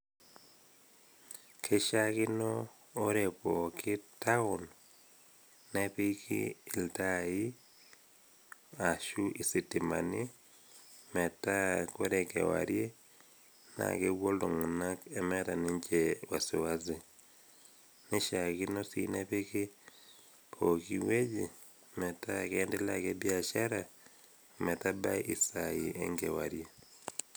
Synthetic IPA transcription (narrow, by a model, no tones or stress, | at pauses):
kʰeʃaɣinoː | ɾepokʰitaol | neβikḭltaji | aʃuʔisitima̰ni | mɛtakeɾekḛwa̰ɾje | na̰keβwoloŋunakemɛɾaneɲd͡ʒewasiwazi | neʃaɣinosḭneβeke | okiweɟi | mɛtakɛndelakebjaʃaɾa | mɛtabaʔisajiʔḛŋɡewa̰ɾje